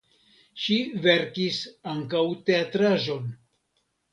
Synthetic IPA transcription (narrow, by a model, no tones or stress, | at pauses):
ʃive̞ɾkisaŋkawte̞atɾaʒo̞n